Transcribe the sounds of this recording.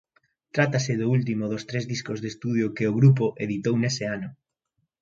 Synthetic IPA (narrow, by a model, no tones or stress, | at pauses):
t̪ɾat̪asɪðʊult̪imoðost̪ɾezðiskozðest̪uð̞jokeoɣ̞ɾup̬oʔeðit̪ownesɪanʊ